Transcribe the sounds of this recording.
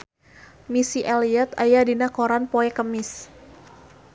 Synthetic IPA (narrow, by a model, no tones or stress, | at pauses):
misiʔaliɛt̪ajadinakoɾanpoɛkəmɪs